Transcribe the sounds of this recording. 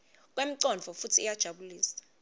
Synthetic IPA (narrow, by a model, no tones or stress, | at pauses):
k̬ʼwem̩ǀɔnvɔfutʰiːjad̥ʒ̥ʱaɓuliːsḁ